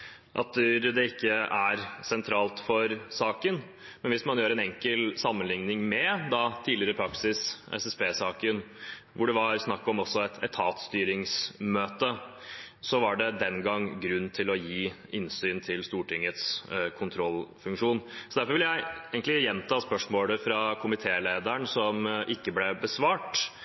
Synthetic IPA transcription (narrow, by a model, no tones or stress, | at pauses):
ʔɑ̰t̪d̪ɛɪkːəæɾsɛnt̪ʰɾɑːlt̪fɔɾsɑːkən | mɛnʋɪsmɑnjøːɾəɛnɛŋkəlsɑmːənlɪŋnɪŋmɛd̪ɑt̪ʰiːdlɪəɾəpʰɾɑksɪsɛ̰sɛspeːsɑːkən | ʋʊɖɛʋɑɾsnɑkːɔmɔsːɔɛt̪ʰɛt̪ʰːɑːt̪st̪yːɾɪŋsmøːt̪ə | sɔʋɑɖɛd̪ɛnɡɑŋːɡɾʉnːt̪ʰɪlɔjiː | ɪnsyːnt̪ʰɪlst̪uːʈʰɪŋːət̪skʰʊnt̪ʰɾɔlfʉŋkʂuːnsɔd̪æɾfɔɾʋɪljæɪeːɡəŋ̩klɪjɛnːt̪ʰɑːspœʂmoːləfɾɑkʰʊmɪt̪ʰeːleːd̪əɳsɔmʔɪkːəblɛbəsʋɑːʈ